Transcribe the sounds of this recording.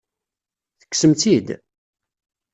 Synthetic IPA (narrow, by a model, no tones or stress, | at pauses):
θə̥kːsəmt̪id̪